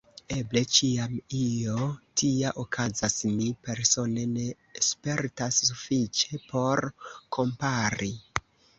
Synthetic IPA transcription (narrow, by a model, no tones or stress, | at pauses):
e̞ble̞t͡ʃiamijo̞tʰiaʔokʰazasnipe̞ɾso̞ne̞ne̞ | spe̞ɾtasːufit͡ʃe̞pʰo̞ɾkʰo̞mpaɾi